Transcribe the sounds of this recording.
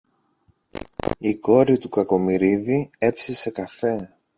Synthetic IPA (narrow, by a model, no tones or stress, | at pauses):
iko̞ɾit̪ukɐko̞miɾiðie̞psise̞kɐfe̞